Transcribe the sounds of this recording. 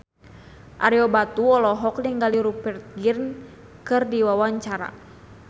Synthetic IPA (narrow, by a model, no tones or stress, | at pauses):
ʔaɾiɔbat̪uɔlɔɦɔkliŋɡaliɾupɛrt̪̚ɡirn | kɨrdiwawaɲt͡ʃaɾa̰